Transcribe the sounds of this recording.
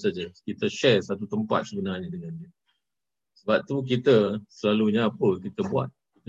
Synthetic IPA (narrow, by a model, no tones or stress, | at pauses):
sad͡ʒəkit̪əʃɛrsat̪ut̪əmpa̰t̪̚səbənarɲadəŋandiə | səbap̚t̪uk̬it̪əsəlaluɲaːpəkit̪əbua̰t̪̚kit̪ə